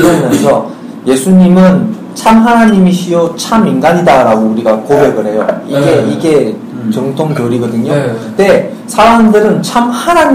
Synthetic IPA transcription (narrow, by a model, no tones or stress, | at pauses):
mjʌnsʰʌ | je̞sʰuɲimɯn | t͡ɕʰamɦanaɲimiɕʰiʌt͡ɕʰaminɡaɲidaɾaɡouɾiɡakobe̞ɡɯɾɦe̞joiɡe̞iɡe̞ | t͡ɕʌŋtʰoŋkjoɾiɡʌdɯɲote̞ | sʰaɾaŋdɯɾɯnt͡ɕʰamhanaɲ